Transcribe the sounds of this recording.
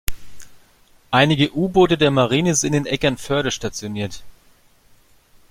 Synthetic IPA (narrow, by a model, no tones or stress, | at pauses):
ʔaɪnɪɡəʔuːboːtədeːɐmaʁ̞iːnəsɪndeːnʔɛkɐnfœɐɾɐʃtat͡sjoniːɐt